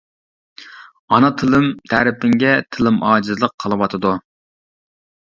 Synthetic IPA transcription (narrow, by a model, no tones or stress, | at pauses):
ɑnɑt̪ʰɨlˠɨmt̪ʰæɾɪpɪŋɡʲɛt̪ʰɨlˠɨmʔɑːd͡ʒɨzlˠəqʰqʰːəlˠɨwɑt̪ʰɨd̪u